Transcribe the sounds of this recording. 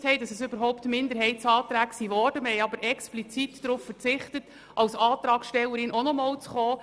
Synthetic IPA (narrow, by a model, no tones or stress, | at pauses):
thɛjdɑsəsøbəɾɦɔʊptmɪnd̪əɾɦɛɪt̚t͡sɑːt̪ɾæːksiʋɔrd̥əməhɛjɑbəɾʔɛksplit͡sitd̥ɾuffəɾt͡sɪχtət | ʔɑwsɑːtɾɑːkʃtɛlːəɾɪnɔnɔmɑːlt͡sχɔː